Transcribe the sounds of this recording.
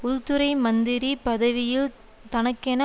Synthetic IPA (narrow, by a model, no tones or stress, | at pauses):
ʊlt̪ɯɾɐɪmɐnd̪ɪɾipɐðɐʋɪjɪl | t̪ɐnɐkːɛnɐ